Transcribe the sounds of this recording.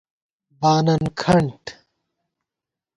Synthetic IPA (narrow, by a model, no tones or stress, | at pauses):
baːnɐnkʰɐɳʈ